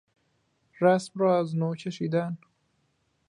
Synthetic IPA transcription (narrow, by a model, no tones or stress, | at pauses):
ɾasmɾɔaznot͡ʃʰaʃid̪an